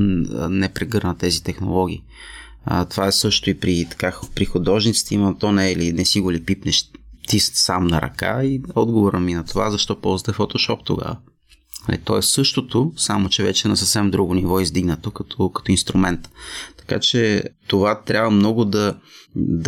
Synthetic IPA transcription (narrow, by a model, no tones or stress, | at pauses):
nɛpɾɛɡɤɾnət̪ɛzit̪ɛxno̰lˠɔɡʲiː | ət̪ovaɛsɤʃt̪oipɾit̪ɐ̥kapɾixod̪ɔʒnit̪si̥t̪ɛimət̪ɔnɛlinɛsiɡʊɾlipipnɛʃt̪isamnɐɾɐ̰ka̰iɔd̪ɡovoɾəminɐt̪ovazɐʃt̪ɔpɔlˠzət̪ɛfot̪oʃɔpt̪o̰ɡa̰və | nɐ̰lḭt̪ɔɛssɤʃt̪ot̪osamot͡ʃɛvɛt͡ʃɛnɐsəfsɛmd̪ɾuɡonivɔizd̪iɡnət̪okɐt̪ʰokɐ̥t̪oinst̪ɾumɛnt̪t̪ɐ̥ka̰t͡ʃɛt̪ovat̪ɾʲʔabvəmnɔɡʊd̪ɐ | d̪